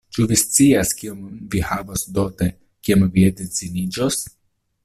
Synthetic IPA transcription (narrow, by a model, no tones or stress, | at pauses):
t͡ʃuvist͡siaskiomvihavosd̪ot̪e | kiamvied̪et͡sinid͡ʒos